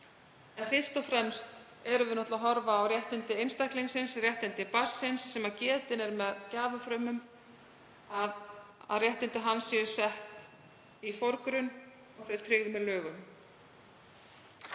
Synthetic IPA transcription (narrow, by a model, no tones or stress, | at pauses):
ɛnfɪ̥st̪ɔfɾɛmst̪ | ɛɾʏvɪnɔht̪laɦɔɾvaːwrjɛht̪ɪnt̪ɪejnst̪ahkliŋsɪnsrjɛht̪ɪnt̪ɪpar̥sɪnsːɛmacɛːt̪ɪnɛɾmɛðcaːvafɾœmʏm | aða̰ðrjɛht̪ɪnt̪ɪɦanːsɛʏsɛht̪ | ifoɾkɾʏn | ɔɣθœɥt̪ʰɾʏɣðʏmɛðlœːɣʏm